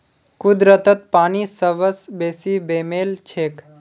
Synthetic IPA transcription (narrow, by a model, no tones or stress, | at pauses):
kʊd̪ɾət̪ət̪̚paːnisəʋəsbeːsibeːmeːlt͡ʃʰeːk